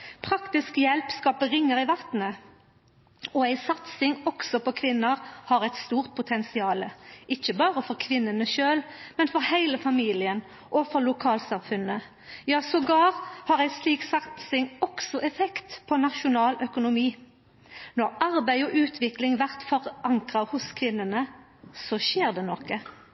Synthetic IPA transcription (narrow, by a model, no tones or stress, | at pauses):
pʰʁɑkt̪ɪskjɛlpskɑːpəʁɪŋːəʁɪʋɑt̪nə | ɔæɪsɑt̪sɪŋɔksɔpʰɔkʰʋɪnːəʁhɑʁɛɪt̪st̪uːʁt̪̚pʰʊt̪ʰɛnsɪɑːləɪçəbɑːʁəfɔʁkʰʋɪnːənəʃøːlmɛnfɔʁhæɪləfɑmiːlɪən | ʔɔfɔʁlʊkʰɑːlsɑmfʉnə | jɑːsɔɡɑːʁhɑʁæɪsliːksɑt̪sɪŋɔksɔʔɛfɛkt̪pʰɔnɑʃʊnɑːlœkʊnʊmiː | nɔʁɑʁbæɪɔʔʉːt̪ʰʋɪklɪŋʋæʁt̪fɔʁɑŋkʁɑhʊskʰʋɪnːənə | sɔʃeːʁd̪ɛnɔkə